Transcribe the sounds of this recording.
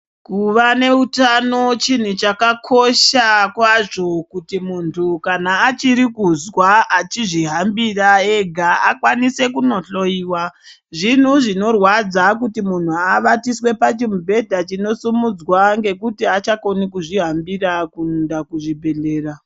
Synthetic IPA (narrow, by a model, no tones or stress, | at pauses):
kuʋane̞utano̞t͡ʃin̤ut͡ʃakakʰo̞ʃakwaʐo̞kutimuntʰukanaːt͡ʃiɾikuzwaat͡ʃiʐiɦambirae̞ɡʱaakwanise̞kuno̞ɬo̞iːwa | ʐin̤uʐino̞rwad͡zakutimun̤uaʋatiswe̞pat͡ʃimubʱe̞dʱat͡ʃino̞sumud͡zwaŋɡe̞kutiat͡ʃako̞nikuʐiɦambirakunndakuʐibʱe̞ɮe̞ːra